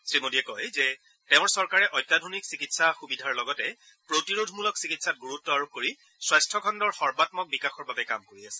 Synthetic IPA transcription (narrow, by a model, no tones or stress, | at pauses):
sɹimodiɛkɔjzɛ | teʊ̃ɹsɔɹkaɹɛʔɔjtːadʱoniksikitsaxubidʱaɹlɔɡɔtɛ | pɹotiɹodʱmulɔksikitsat̚ɡuɹutːɔaɹukoɹi | swajstʰɔkʰɔndɔɹxɔɹbatmɔk̚bikaxɔɹbabɛkamkoɹiasɛ̥